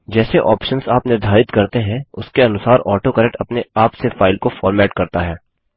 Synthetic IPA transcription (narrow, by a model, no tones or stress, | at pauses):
d͡ʒɛːseʔɔːpʃənsaːpnɪɾd̪ʱaːɾɪt̪kɐɾt̪eɦɛ̃ʊskeɐnʊsaːɾɔːʈokəɾɛk̚ʈɐpneaːpsefaːɪlkofɔːɾmɛːʈkɐɾt̪aɦɛː